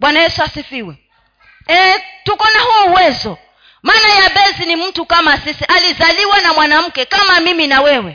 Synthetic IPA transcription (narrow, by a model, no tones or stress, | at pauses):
ɓwanajɛsuasifiwɛ | ɛtukɔnahuːwɛzɔ | maːnajavɛzinim̩tukamasisiʔalizaliwanamwanam̩kɛkamamiminawɛwɛ